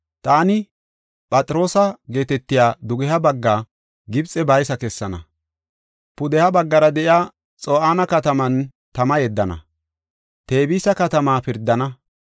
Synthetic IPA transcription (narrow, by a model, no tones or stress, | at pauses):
t̪aːnɪ | pʼɐt͡sʼɾo̞ːsɐɡe̞ːt̪ɛt̪ːɪjaːd̪ʊɡɛɦɐbɐɡːaː | ɡɪbt͡sʼɛbɐjsɐkɛsːɐnɐ̰ | pʊd̪ɛhɐbɐɡːɐɾɐd̪ɛʔjaː | t͡sʼoːʔaːnɐkɐt̪ɐmɐn | t̪ɐmɐjɛd̪ːɐnɐ̰ | t̪e̞ːbiːsɐkɐt̪ɐmaːpɪɾd̪ːɐnɐ